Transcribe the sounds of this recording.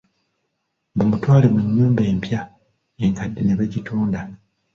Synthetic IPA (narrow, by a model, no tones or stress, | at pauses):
bomutwaːlemuɲːuːmbe̞ːmpja | eŋkadːeneβaɟituːnda